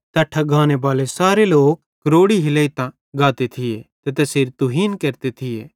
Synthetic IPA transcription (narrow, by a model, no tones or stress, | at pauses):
t̪ɐʈʰːaɡʱaːnebaːlesaːɾeloːk̚ːɐɾoːɽiɦɪleːit̪ã | ɡaːt̪et̪ʰɪjet̪et̪ɛseːɾt̪ʊɦiːnkeːɾt̪et̪ʰɪjeː